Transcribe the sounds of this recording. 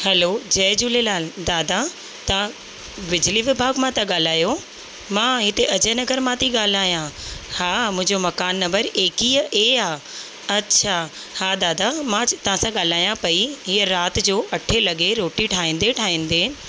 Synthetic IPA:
hɛloːd͡ʑɐːd͡ʑuːlelaːld̪aːd̪a | t̪a | ʋɪd͡ʑliʋɪbʱaːɡmãt̪ɐɠaːl̤aːjo | mãːɦɪt̪eʔɐd͡ʑənɐɡəɾmãt̪ʰiɠaːl̤aːjãhaːmʊ̃ɦɪ̃ɲd͡ʑomɐkaːnːɐmbəɾeːkiʔeaː | ɐtːɕʰa | haːd̪aːd̪amãt̪ɐʋ̤ãsãɠaːl̤aːjãpɐiɦiːəɾaːt̪̆d͡ʑoːʔɐʈʰelɐɠeɾoːʈiʈʰaːĩːn̆d̪eʈʰaːĩːn̆d̪eː

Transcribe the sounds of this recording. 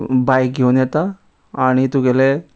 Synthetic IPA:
bajk̚ɡʱeunjɛt̪a | aɽ̃it̪uɡele

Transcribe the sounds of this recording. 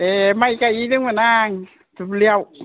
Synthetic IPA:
emajkaitɨŋmənaːŋ | tuliəw

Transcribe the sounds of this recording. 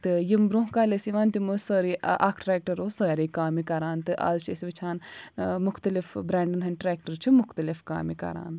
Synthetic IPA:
t̪ɨjimbɾõɦkaːlesiʋaːnt̪imosoːɾiʔa̰ːkʰʈɾeːk̚ʈɐɾoːsoɾikaːmikɐɾaːnt̪ɨʔa̰ːzt͡ʃʰiesʋɐt͡ʃʰaːnmʊxt̪ɐlifbɾãːɳɖɐnɦɐnʈɾɛːk̚ʈɐɾt͡ʃʰimʊxt̪ɐlifka̰ːmikɐ̰ɾa̰ːn

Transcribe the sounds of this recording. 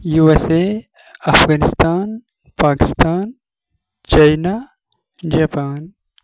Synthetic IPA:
juese | ɐfɣaːnɪst̪aːn | paːkɪ̥st̪aːn | t͡ʃajna | d͡ʒapaːn

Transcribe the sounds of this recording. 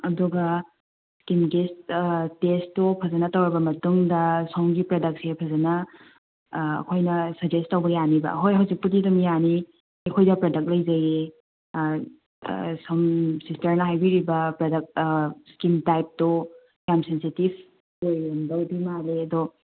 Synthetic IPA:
ɐduɡɐ | skimɡesttestopʰɐzɐnɐtɐwɾɐbɐmɐtuŋdɐsowŋɡipɾɐdɐk̚sepʰɐzɐnɐ | kʰojnɐsɐd͡ʒestːɐwbɐjanibɐ̰ɦojɦɐwzik̚putidɐmijani | ɐkʰojdɐpɾɐdɐk̚lɐjzɐji | sɐmsistɐɾnɐɦajbiɾibɐpɾɐdɐk̚skimtajp̚to | jamsensitib | kojɾɐmdɐwbimaɾeɐdɔ

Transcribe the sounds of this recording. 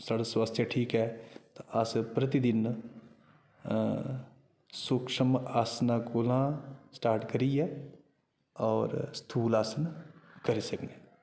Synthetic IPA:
saːɽaswast̪ʰjəʈʰiːkɦɛːt̪aəspɾət̪id̪ɪn | sʊkʃəmaːsnaːkolãːsʈaːɾʈkəɾiːɛː | ɔːɾst̪ʰuːlaːsənkəɾiːsəkne

